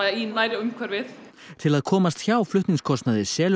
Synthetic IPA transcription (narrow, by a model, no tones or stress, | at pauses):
innaːjɾaʏmkʰvɛɾvɪθ | t̪ʰɪlaðkʰɔːmast̪çaːwflʏht̪niŋskʰɔst̪naðɪsjɛːl